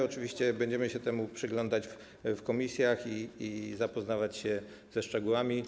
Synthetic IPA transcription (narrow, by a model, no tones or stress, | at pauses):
ɔt͡ʂɘvʲiɕt͡ɕɛbɛɲd͡ʑɛmɘɕɛt̪ɛmupʂɘɡlɔnd̪at͡ɕf | fkɔmʲisʲjaxiːzapɔznavat͡ɕɕɛ | zɛʂt͡ʂɛɡuwamʲi